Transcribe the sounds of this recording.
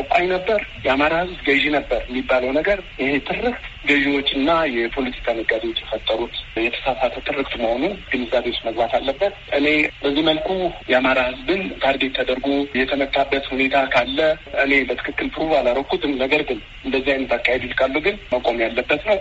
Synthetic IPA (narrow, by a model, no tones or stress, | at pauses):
kʼajnəbːəɾjɛamaɾahɨzbɡəʒinəbːəɾjɛmːibːaləwnəɡəɾjɪhe̞t̪ʰɨrːɨkt̪ | ɡəʒiwo̞t͡ʃːɨnːajɛpʰo̞lət̪ʰi̥kʰanɨɡʼad̪wot͡ʃːjɛfət̪ʼːəɾut̪jɛt̪ʰə̥sasat̪ʰət̪ʰɨrɨkt̪uməho̞nuɡ̥ɨnɨzaβewot͡ʃːməɡbat̪ʰalːəbːət̪ʔɨne̞bəzːiməlkʰujɛamaɾahɨzbɨnt̪ʰaɾɡet̪ʰːəd̪əɾɡujɛt̪ʰəmət̪ʰːabːət̪hune̞t̪ʰakʰalːəʔɨne̞bət̪ʰɨ̥kʰɨkːɨlpʰɨɾuβalaɾəkːut̪ʰɨnːəɡəɾɡɨn | ɨnd̪əzːihajnɨt̪ʰakʼːajɛd̪ilkʼalːuɡɨnməkʼo̞mjalːəbːət̪nəw